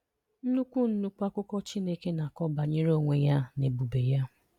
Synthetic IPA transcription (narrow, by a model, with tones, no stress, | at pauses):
n̩˦nu˦kʷu˦n̩˦nu˦kʷa˦kʊ˦kɔ˦t͡ʃi˦ne˦ke˦na˨kɔ˦ba˨ɲe˦ɾo˦˨ŋʷe˨ja˦ne˨bu˨be˨ja˦